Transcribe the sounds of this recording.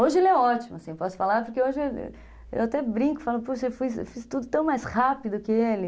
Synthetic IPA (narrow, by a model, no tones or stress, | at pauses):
oʒɪelɪɛɔt͡ʃimʊasĩpɔsʊ̥falaɾpoɾkeoʒɪḛ | ḛwat̪ɛbɾĩŋkʊ̥falʊpuʃɐewfujsḛwfist̪ud̪ʊt̪ɐ̃w̃majshapid̪ʊkɪelɪ